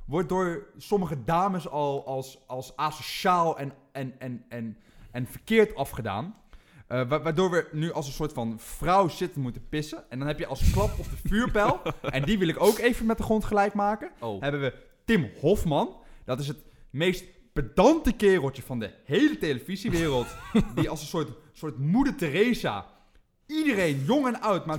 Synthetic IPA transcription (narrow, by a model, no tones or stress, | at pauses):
ʋɔɹdoːɹsɔməχədaːməsɑlˠɑlˠsɑlˠsaːsoʃaːlˠɛn | ɛnɛnɛn | ɛnfəɹkɪːɹtɑfχəda̰ːn | ʔʋaʋaːɹdoːɹʋənyʔɑlˠsənsoːɹtfɑnfrʌwsɪtənmutəpɪsəɛndɑnɦɛpjəʔɑlˠsklɑpɔfəfyːɹpɛlˠʔɛndiʋɪlˠɪkowkejvəmɛt̚dəχrɔntχəlɛjkmaːkənɦɛbənʋə | tɪmhɔfmɑnd̥ɑtɪs̬ɦətmejst | b̥ədɑntəkɪːrəlˠtəvɑndəhejlətejləviziʋɪːrəlˠtdiɑlˠsənsʊːɹtsʊːɹtmudətərejza̰ | idərejnjɔŋɛnœwtma